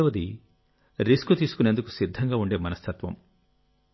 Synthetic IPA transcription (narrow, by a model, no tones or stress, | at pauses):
ɐʋɐd̪i | ɾiskut̪iːsu̥kune̞ːnd̪uku̥sid̪ʱːɐŋɡaːuɳɖe̞ːmɐnɐst̪ʰɐt̪ʋɐ̰m